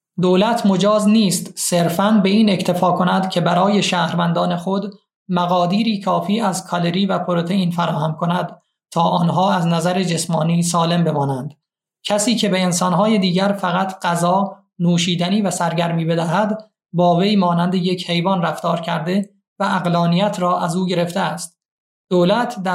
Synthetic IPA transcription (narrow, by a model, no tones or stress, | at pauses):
d̪oːlæt̪ʰmo̞d͡ʒɒːzniːst̪seɾfænbe̞iːne̞cʰt̪ʰe̞fɒːkʰo̞næd̪cʰe̞bæɾɒːje̞ʃæːhɾvænd̪ɒːne̞xo̞d̪ | mæɣɒːd̪iːɾiːkʰɒːfiːæzkʰɒle̞ɾiːvæpʰoɾot̪ʰeiːnfæɾɒːhæmkʰo̞næd̪ | t̪ʰɒːʔɒːnɦɒːæznæzæɾed͡ʒe̞smɒːniːsɒːle̞mbe̞mɒːnænd̪̥ | cʰæsiːcʰe̞be̞ːnsɒːnɦɒːje̞d̪iːɟæɾfæɣæt̪ʰɢ̥æzɒː | nuːʃiːd̪æniːvæsæɾɟæɾmiːbe̞d̪æɦæd̪ | bɒːve̞jmɒːnænd̪e̞je̞cʰhe̞jvɒnræft̪ɒːɾcʰæɾd̪e̞ | vææɣlɒːnijæt̪ʰɾɒːʔæzuːɟe̞ɾe̞ft̪eæst̪̚ | d̪̥oːlæt̪ʰd̪æ